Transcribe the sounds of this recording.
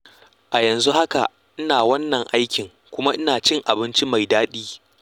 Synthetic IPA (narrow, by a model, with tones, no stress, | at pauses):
ʔa˨jɐ˨nzu˦ha˦ka̰˨ | ʔɪ˦naː˨wɐ˦nːɐ˨ŋʔa˦jkʲɪ˨ŋ | kʷʊ˦ma˦ʔɪ˦naː˨t͡ʃɪ˦ŋʔa˨bɪ˦nt͡ʃi˦ma˨jdaː˦ɗiː˦